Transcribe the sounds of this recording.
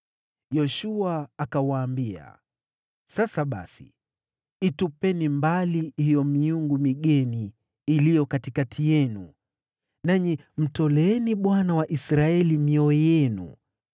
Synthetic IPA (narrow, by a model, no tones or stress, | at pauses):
jɔʃuaːkawaːmbia̰ | sasaɓa̰sḭ | itupɛnimbalihijɔmiuŋɡumiɠɛniː | lijɔkatikatʰijɛnṵ | naɲi | m̩tɔlɛɛniɓwanawaʔisɾaɛlimiɔjɛnṵ